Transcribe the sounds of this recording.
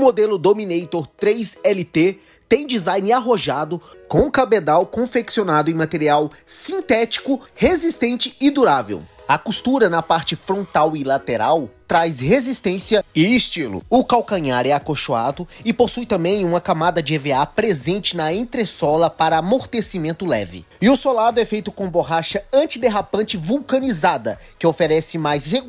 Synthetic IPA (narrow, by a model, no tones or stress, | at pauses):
ʊmod̪elʊd̪ominejt̪oɾt̪ɾejsɛlit̪e | t̪ẽj̃d͡ʒizajnɪaɦoʒad̪ʊkõw̃ʊkabed̪awkõfeksionad̪ʊẽmat̪eɾiaw | sĩt̪ɛt͡ʃi̥kʊhezist̪ẽnt͡ʃɪɪd̪uɾavḛw | ɐkust̪uɾɐnɐpaɾt͡ʃɪfɾõnt̪awilat̪eɾawt̪ɾajshezist̪ẽsiɐɪːst͡ʃilʊ̰ʊkawkɐ̃ɲaɾɛakoʃoad̪ʊɪposujt̪ɐ̃mbẽj̃ũmɐkamad̪ɐd͡ʒɪeveapɾezẽnt͡ʃɪnɐẽnt̪ɾesɔlɐpaɾɐːmoɾt̪esimẽnt̪ʊlɛ̰vɪ̰ | ɪʊsolad̪ʊɛfejt̪ʊkõboɦaʃɐɐ̃t͡ʃid̪eɦapɐ̃nt͡ʃɪvuwkɐnizad̪ɐkɪofeɾɛsɪmajshe